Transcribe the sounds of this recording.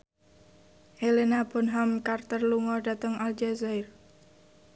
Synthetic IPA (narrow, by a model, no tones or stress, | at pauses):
helenabɔnɦamkart̪ərluŋɔda̤t̪əŋald͡ʒazajr